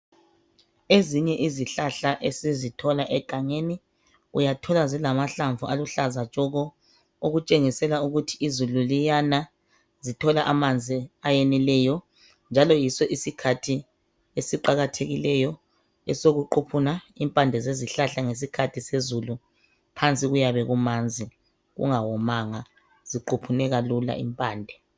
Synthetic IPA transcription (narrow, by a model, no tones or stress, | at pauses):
eziɲɛʔiziɬaɬaʔesizitʰɔlaʔɛɡ̥ʱaŋeni | ujatʰɔlazilamaɬaɱvʱualuɬazat͡ʃʼɔɣɔ | oɣut͡ʃʼeŋisɛlauɣutʰiizululijana | zitʰɔlaʔamand͡zʱiajɛnɛlɛjɔ | nd͡ʒʱalɔjisɔʔisikʰatʰi | esiǃaɣatʰeɣilɛjɔ | ɛ̰soɣuǃupʰunaimpʼandʱɛzeziɬaɬaŋes̬ikʰatʰisezulu | pʰant͡sʼiɣujaβɛɣumand͡zʱi | ɣṵŋawɔmaŋa | z̥iǃʰupʰunɛɣalula̰ʔḭmpʼaːndʱɛ